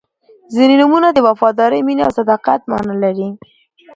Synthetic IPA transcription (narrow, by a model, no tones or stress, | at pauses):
zininumunad̪əwafɑd̪ɑɾəjminea̰wsad̪ɑqat̪̚mɑ̰nɑlaɾi